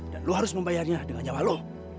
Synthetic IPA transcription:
d̥anloɦaɾʊsməmbajarɲadəŋand͡ʒawalo

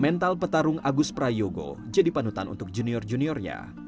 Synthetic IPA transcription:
mɛnt̪alpət̪aɾʊŋaɡʊspɾajoɡo̰d͡ʒadipanut̪anṵt̪ʊk̚d͡ʒuniɔrd͡ʒuniɔrɲa̰

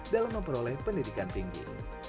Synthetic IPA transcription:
dalamːəmpəɾolɛhpəndidikanpiŋɡḭ

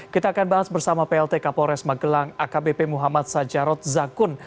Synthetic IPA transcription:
kit̪aːkanbaɦasbərsamapeɛlt̪ekapɔɾɛsmaɡəlaŋakabepemuɦamat̪̚sad͡ʒaɾɔt̪̚zakʊn

